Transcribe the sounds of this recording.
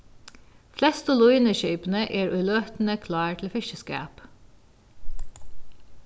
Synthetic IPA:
flɛst̪olʊiːnəʃœʏpn̩əʔeːɹʔʉːløːt̪n̩əkʰlɑːʈʰl̩fɪʃəskæ̰ːp

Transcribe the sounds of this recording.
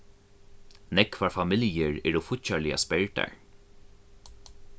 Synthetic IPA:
nɛkʰvaɹfamɪljəɹɛɹɔfʊtçalɪa̰spɛɹt̪a̰ɹ

